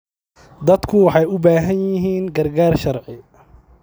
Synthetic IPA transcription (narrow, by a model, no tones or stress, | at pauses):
d̪ɐd̪kʰʊwɑħɑjʊbaːɦɐnjɪɦiːnɡɐrɡaːrʃɐrʕɪ